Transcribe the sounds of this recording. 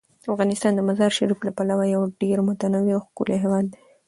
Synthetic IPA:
afɣɑnɪst̪ɑnd̪əmazɑɾʃaɾiflapalawajawɖeɾmʊt̪anawiawxkṵleɦewɑd̪ːe

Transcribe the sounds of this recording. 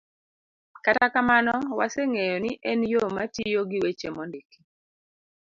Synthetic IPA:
katakamanɔwaseŋejɔniʔɛnjomatijoɡiwet͡ʃemɔndiki̥

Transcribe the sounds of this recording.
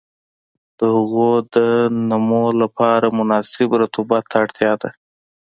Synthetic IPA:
d̪̥əhʊɣod̪ənamolapɑɾamʊnɑsɪbɾat̪ubat̪ʰːaɽt̪ʰjɑd̪a̰

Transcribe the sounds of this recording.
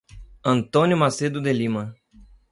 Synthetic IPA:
ɐ̃nt̪õnjʊmased̪ʊd̪elĩmɐ

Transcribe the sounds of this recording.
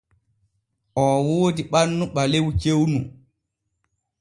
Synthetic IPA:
ʔɔwoːdiɓanːuɓalewt͡ʃewnu

